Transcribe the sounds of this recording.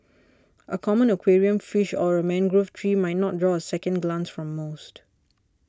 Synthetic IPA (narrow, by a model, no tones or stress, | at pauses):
ʔəkʰɔmə̃nəkʰweɹiə̃nfiʃɔɹəmɛ̃nɡɹoftʰɹimajt̚nɔt̚dɹɔəsɛkə̃nɡlãnsfɹɔ̃mːost